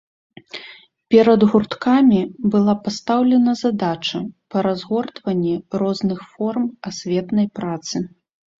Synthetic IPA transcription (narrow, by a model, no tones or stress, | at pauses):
pʲɛɾɐd̪ɣurt̪kamʲibɨlˠapast̪awlʲɛnɐzad̪at͡ʂɐpɐɾazɣɔrt̪vɐnʲːɛrɔznɨxfɔrmasʲvʲɛt̪nɐjpɾat̪sɨ